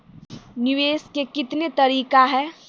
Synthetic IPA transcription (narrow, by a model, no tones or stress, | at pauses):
nɪʋeːskekɪt̪net̪ɐɾiːkaɦɛː